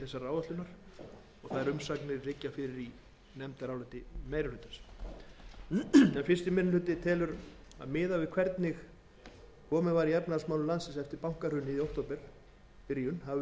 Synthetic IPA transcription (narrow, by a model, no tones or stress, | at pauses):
θɛsaraːwvat̪lʏnaɾ̥ | ɔɣθaðɛɾʏmsaknɪɾlɪcːafɪɾɪɾi | nɛmt̪aɾaːwlat̪ɪmejɾalʏːt̪as | ɛnfɪr̥st̪ɪmɪnʏlʏːt̪ɪt̪ʰɛːlʏɾ | a̰ðmɪːðavɪðkʰvɛɾt̪nɪx | kʰɔːmɛvaɾijaɾpnaðsmawlʏlansɪnsɛft̪ɪɾpawŋ̥kar̥ʏːnːɪðiowht̪owpɛɾ̥ | ɾiːʏnhav